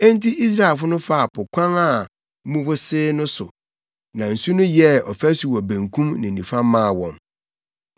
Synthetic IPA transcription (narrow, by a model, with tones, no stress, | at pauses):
ɛ̃˦n˦ti˦ʔi˦s̬ɾa˦ɛ˨lfʊ˦nʊ̃˦fa˦a˨pʰʊ˨kʷʰã˦ŋa˨˦ | mũ˦bʊ˦sɪː˦nʊ̃˦sʊ̰˨ | nã˨n̩˨su˦nʊ̃˦jɛ˦ɔ˨fæ˦su˨wɔ˨bæ̃˨ŋkʰũ˦mnɪ̃˨n̩˨nĩ˨fa˦mːãː˦˨wɔ̃˨m